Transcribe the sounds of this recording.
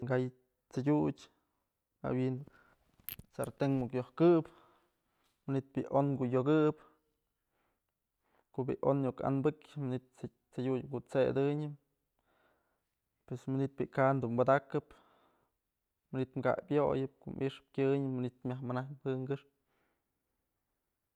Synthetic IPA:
ŋɡaj | t͡saɡʲudʲ | a̰win | t͡saɾt̪eŋmukjohkɨp | manit̪̚biʔonɡujoɡɨp | koʔbḭʔʔonɲuka̰nbɨkʲmɨnit̪̚ | t͡saɡʲukuʔt͡sed̪ɨɲɨm | pwesmɨnit̪̚bʲikand̪umbad̪akɨp | mɨnit̪mɡa̰ʔbʲjojɨp̚koʔmʔiʂɨ̥p̚kʲɨɲɨːɨnit̪mʲahmanahpɨŋɡɨʂ̚

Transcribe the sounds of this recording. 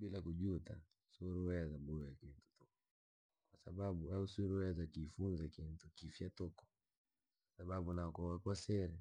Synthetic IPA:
bilakud͡ʒuta̰ | suɾuɛazabɔɔjakintu̥tɔkɔ | kwasabaɓuausuɾuɛazakifunzakintukifjatɔkɔ̥ | asaɓaɓunakɔwakɔsɛɾɛ

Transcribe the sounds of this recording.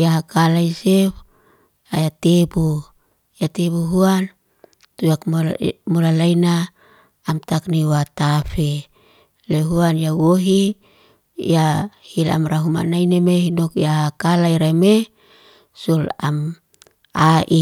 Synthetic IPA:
jaɦakalaise | ajat̪ebu | jat̪ebuɦuan | t̪ujakmolalainaː | mt̪akniwat̪afe | leɦuanjawoɦi | jahila̰mraɦuma̰nainemeɦinokjaɦakalaiɾame | solam | aʔi

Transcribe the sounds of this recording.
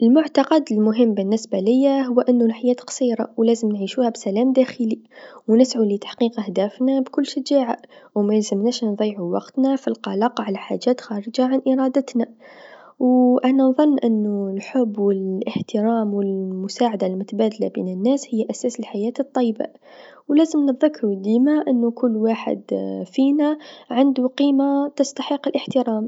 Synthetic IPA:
ʔəlmʊʕt̪ɑqɑd̪əlmʊɦəmːbənːɪsbælɪjːaɦʊwːʔənːʊnħajæːt̪qɑ̥sˤiːɾˤɑ̰wlæːzəmnʕiʃuːhæbsælæːmd̪æxəliwnɪsʕulit̪ḁħqiːqəhd̪æːfnabkʊlːʃad͡ʒaːʕawmæjzəmnæʃnðˤiːʕuwɑqt̪nafilqɑlɑqʕalaħa̰ʒæːt̪xɑːɾəd͡ʒaʕanʔɪɾˤɑd̪ət̪na | wʔænanðˤɑnːʔɪnːulħʊbːwɪləħt̪ɪɾɑːmwɪlmʊsaːʕad̪almʊt̪abæːd̪alabḭːnənːæːshɪjːʔæsæːsəlħajæːt̪ɨt̪ˤːɑjːba̰ | wlæːzəmnəðɪkːɾud̪iːmaʔənːukʊlːwaːħə̰d̪fiːnaʕand̪uqiːmat̪əst̪aħəqːɪlʔəħt̪ɪɾaːm

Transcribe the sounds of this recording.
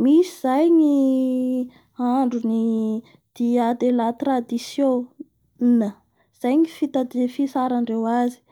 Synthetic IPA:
misiz̥ajɲi | aɳɖ͡ʐuni | d̪̥iad̪elat̪rad̪isjõ | nə | z̥ajɲifit̪ad̪efisaɾaɳɖ͡ʐewazi̥

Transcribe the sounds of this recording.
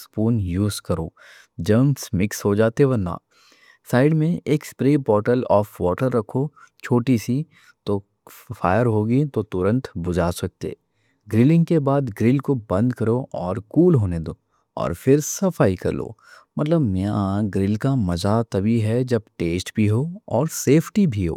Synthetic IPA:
spuːnjuːzkɐɾo̰ː | d͡ʒəːmsmɪksɦod͡ʒaːt̪eʋɐna̰ː | saːɪɖmẽeːkspɾeːpɔːɾʈəlɔːfʋɔːʈəɾːɐkʰot͡ʃʰoːʈisi | t̪o | fa̰ːjəɾɦoːɡit̪ot̪ʊɾə̃nt̪bʊd͡ʒaːsɐk̚t̪ḛː | ɡɾɪlɪ̃ŋɡkebaːd̪ɡɾɪlkobɐ̃nd̪kɐɾoɔːɾkuːlɦoːned̪oː | ɔ̰ːɾfɪɾsɐfaːikɐ̰ɾlo̰ː | mɐt̪ləbmɛaɡɾɪlkamɐzat̪ɐbiɦɛd͡ʒɐbʈeːsʈbʱiɦoɔːɾseːpʰʈibʱiɦo̰ː

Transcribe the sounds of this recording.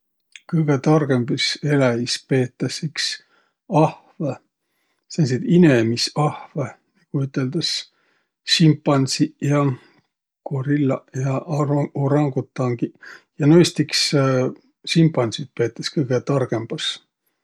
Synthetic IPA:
kɯjɡ̥et̪ɑrɡ̥e̞mb̥ise̞læispeːt̪ˑːɑsiks | ɑhvɑ | sens̬id̪inemisɑhvenɑkuyt̪ːˑeld̪̥ɑs | simpˑːɑnsijɑ | koɾilːɑjɑʔoɾɑŋɡ̥ut̪ːˑɑŋɡ̥ijɑnojst̪iks | simpɑnsit̪̚pe̞ːt̪ːˑɑskɤjɡ̥et̪ɑrɡ̥e̞mb̥ɑs

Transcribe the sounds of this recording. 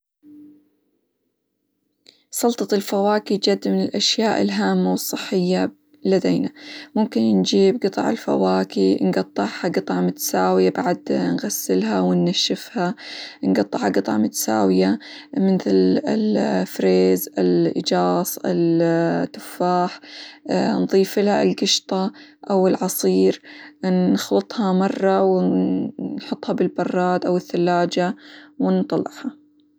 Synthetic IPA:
sˤɑlt̪ˤɑlfawaːkid͡ʒad̪ːmɪnɪlʔaʃjaːʔɪ̰lɦaːmːawɨsˤːɨħːɪjːa | lːad̪eːnamʊmkɪnnd͡ʒiːbɡɨt̪ˤɑʕɪ̰lfa̰waːkinɡɑt̪ˤːɨʕhaɡɨt̪ˤɑʕmʊt̪ḁsaːwɪjabaʕad̪nɣasːɪlɦawɪnːaʃːɪfhanɡɑt̪ˤːɨʕhaɡɨt̪ˤɑʕmʊt̪ḁsa̰ːwɪjamɪθlɪlfɾeːzɪ̰lʔɪ̰d͡ʒɑːsˤɪ̰lt̪ːʊ̥faːħ | nðˤiːfɪlhaʔɪlɡɪʃt̪ˤɑʔawɪlʕɑsˤiːɾnxlɨt̪ˤhɑmɑrˤːɑwɪ | nħʊt̪ˤːhɑbɪlbɑrˤːɑːd̪ʔawɪθːalːaːd͡ʒawɪnt̪ˤɑlːɪ̰ʕhɑ

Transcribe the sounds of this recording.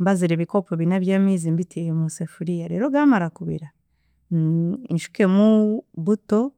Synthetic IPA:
mbaziɾeβikopoβinaβjaːmiːzimbitʰiemusefuɾijaɾeːɾo̞ɡaːmaɾakuβḭɾa | nʃu̥ke̞muβuto

